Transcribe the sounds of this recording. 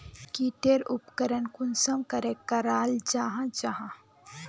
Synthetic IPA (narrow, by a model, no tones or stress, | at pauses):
kiːʈeɾʊpkəɾənkʊnsəmkɐɾekɐɾaːld͡ʒaːɦãd͡ʒaːɦã